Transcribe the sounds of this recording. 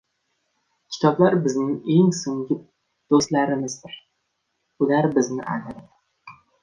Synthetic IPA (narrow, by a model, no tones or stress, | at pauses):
kʲʰɪ̥t̪ʰɒblaɾbɪznɪŋe̞ŋsoŋɡʲɪ | d̪̥ost̪laɾɪmɪzd̪ɪɾ | ʊlaɾbɪznɪʔa̰nɪɾɪd̪